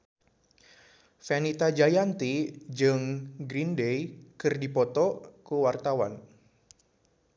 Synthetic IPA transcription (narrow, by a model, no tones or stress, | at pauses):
fɛnit̪ad͡ʒajant̪id͡ʒɨŋɡɾindejkɨrdipɔt̪ɔkuwart̪awa̰n